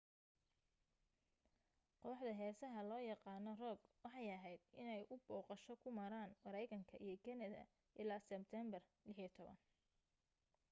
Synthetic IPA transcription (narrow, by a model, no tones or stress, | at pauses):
qɔːħd̪ɐɦɛːsɐɦɐlɔːjɑqɑːnɔrɔːɡwɑħɑjɐɦɛjd̪̥ʔɪnɛjʔʊbɔːqɑʃɔkʰʊmɐɾaːnmɐɾɛjkʰɐŋkʰɐʔijɞkʰɐnɐðɐ̰ | ʔɪlaːsɛb̚t̪ʰɛmbɐrlɪħit̪ʰɔβɐ̰n